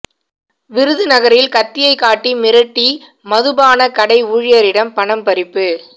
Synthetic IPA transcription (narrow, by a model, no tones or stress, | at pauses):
ʋɪɾɯðɯnɐɣɐɾɪlkɐt̪ːɪjɐɪkaːʈːimɪɾɐʈːi | mɐðɯbaːnɐkɐɽɐɪuːɻɪjɐɾɪɽɐmpɐɳɐmpɐɾɪpːɯ